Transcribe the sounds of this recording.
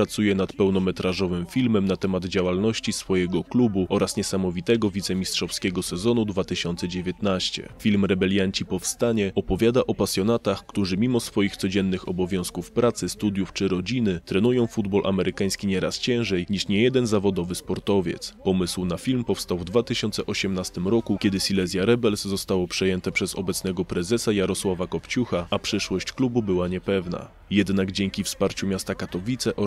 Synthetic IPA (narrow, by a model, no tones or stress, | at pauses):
ɾat̪sujɛnat̪pɛwnɔmɛt̪ɾaʐɔvɘmfʲilmɛmnat̪ɛmad̪d͡ʑawalnɔɕt͡ɕisfɔjɛɡɔklubuʔɔɾasɲɛsamɔvʲit̪ɛɡɔvʲit̪sɛmʲistʂɔfskʲɛɡɔsɛzɔnud̪vat̪ɘɕɔnt̪sɛd͡ʑevʲjɛt̪naɕt͡ɕɛ̰fʲilmɾɛbɛlʲjaɲt͡ɕipɔfst̪aɲɛɔpɔvʲjad̪aʔɔpasʲjɔnat̪axkt̪uʐɘmʲimɔsfɔjixt̪sɔd͡ʑɛnːɘxɔbɔvʲjɔ̃w̃skufpɾat̪sɘst̪ud̪ʲjuft͡ʂɘɾɔd͡ʑinɘt̪ɾɛnujɔ̃w̃fud̪bɔlʔa̰mɛɾʔɘkaj̃skʲiɲɛɾa̰st͡ɕɛ̃w̃ʐɛjɲiʂɲɛjɛd̪ɛnzavɔd̪ɔvɘspɔɾt̪ɔvʲjɛ̰t̪spɔmɘswnafʲilmpɔfst̪awvd̪vat̪ɘɕɔnt̪sɛʔɔɕɛmnast̪ɘmɾɔkukʲɛd̪ɘsʲilɛzʲjaɾɛbɛlszɔst̪awɔpʂɛjɛnt̪ɛpʂɛzɔ̰bɛt̪snɛɡɔpɾɛzɛsajaɾɔswavakɔpt͡ɕuxaapʂɘʂwɔɕt͡ɕklububɘwaɲɛpɛvna̰ | jɛd̪naɡd͡ʑɛŋkʲifspaɾt͡ɕumʲjast̪akat̪ɔvʲit̪sɛʔɔ